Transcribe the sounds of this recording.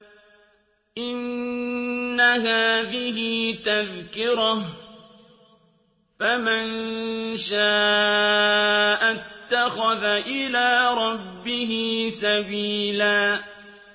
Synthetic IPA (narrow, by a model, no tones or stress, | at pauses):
ʔɪnː | aɦaːðɪɦɪt̪aðkɪɾɑ | famanʃaː | ʔat̪ːaxaðaʔɪlaːɾˤɑbːɪɦɪsawiːlaː